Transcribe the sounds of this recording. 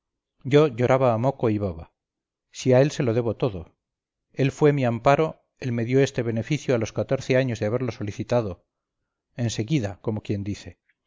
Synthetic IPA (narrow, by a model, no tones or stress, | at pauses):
ɟ͡ʝo̞ʝo̞ɾaβaːmo̞koiβoβa | siae̞lse̞lo̞ðe̞βo̞t̪o̞ðo̞ | e̞lfwe̞miampaɾo̞ | elme̞ðjo̞est̪eβe̞ne̞fiθjoalo̞skat̪o̞ɾθe̞aɲo̞zðeaβe̞ɾlo̞so̞liθit̪aðo | e̞nse̞ɣiðako̞mo̞kje̞nd̪iθe